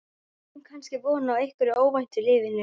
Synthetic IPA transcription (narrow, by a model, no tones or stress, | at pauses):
hunkʰanscɪvɔːnaːwejhkʏɾɪoːwvajn̥t̪ɪlɪːvɪnɪ